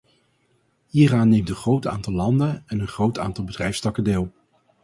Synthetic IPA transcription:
ɦiːraːnːejmtə̃nχrowta̰ːntɑlˠlɑndənɛnənχrowta̰ːntɑlˠbədrɛjfstɑkədɪːlˠ

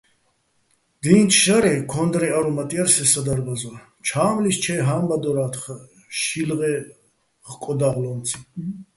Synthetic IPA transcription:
d̪̥iːnt͡ʃʰʼʃaɾɛkʰɔnd̪ɾɛaɾumat̪ʼiaɾsɛsad̪aɾbaza | t͡ʃʰaːmlist͡ʃʰɛjɦambad̪ɔɾaːt̪χa | ʃilʁɛ | χkʼɔd̪aʁlɔnt͡sʰi̥

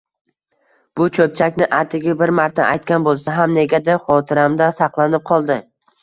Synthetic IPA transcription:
b̥ʊt͡ʃʰɵp̚t͡ʃʰakʲnɪʔat̪ʰɪɡʲabɪɾmaɾt̪ʰa̰ʔa̰jt̪̚kʲanbolˠsaɦamne̞ɡʲad̪aχɒt̪ʰɪɾamd̪asɑqlˠanɪp̚qʰɒlˠd̪ɪ

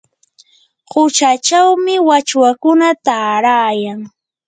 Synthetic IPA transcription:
hʊt͡ʃat͡ʃawmɪwat͡ʃwakʊnat̪aːɾaːjaŋ

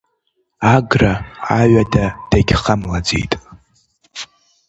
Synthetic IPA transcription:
aɡraaɥadad̥aɡʲχamlad͡zḛjtʼ

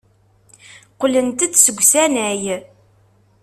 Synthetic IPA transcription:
qlənt̪ət͡s̪səɡʷsænæj

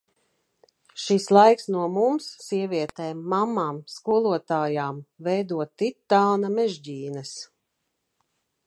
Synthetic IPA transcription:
ʃislˠajksnuɔmumsːiɛvʲiɛt̪ɛːmːamːaːmskuɔlˠuɔt̪aːjaːmvɛjd̪uɔtt̪ːit̪ːaːnɐmɛʒɟiːnɛs

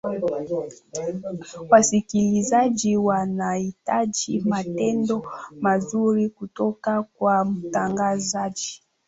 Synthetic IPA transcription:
wasikilizad͡ʒiwanaitad͡ʒimatɛndɔmazuɾikutɔkakwam̩taŋɡazad͡ʒi̥

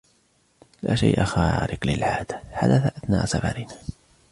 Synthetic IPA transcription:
laːʃa̰jʔaxaːɾɪqlɪlʕaːd̪aħad̪aθaʔaθnaːʔsafaɾɪnaː

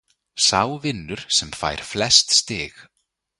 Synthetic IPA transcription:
saːwvɪnːʏɾ̥sɛmfa̰jɾ̥flɛst̪st̪ɪːx

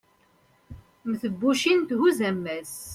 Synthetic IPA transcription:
mθəbːuʃint̪huzæmːæs

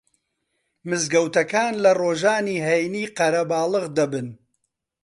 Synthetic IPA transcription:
mɨzɡɐwt̪ɐkaːnlɐroːʒaːniːɦɛjniːqɐɾɐbaːlˠɨɣd̪ɐbɨn

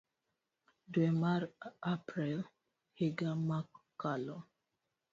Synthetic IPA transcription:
dwemaɾapɾil | hiɡamakkːalɔ

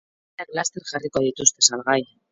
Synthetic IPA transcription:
aklast̪eɾχarikoaðit̪ust̪esalɣaj

